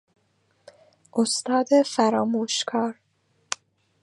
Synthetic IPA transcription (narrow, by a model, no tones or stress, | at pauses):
ʔost̪ɒːd̪efæɾɒːmuːʃkʰɒːɾ